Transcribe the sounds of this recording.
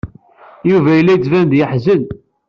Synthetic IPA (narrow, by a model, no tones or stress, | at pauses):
juvæjəlːæt͡sːvænd̪jəħzən